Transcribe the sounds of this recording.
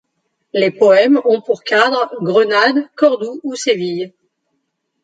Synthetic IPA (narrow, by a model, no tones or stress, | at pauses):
lepɔɛmɔ̃puʁkad̪ʁɡʁənad̪kɔʁd̪uusevij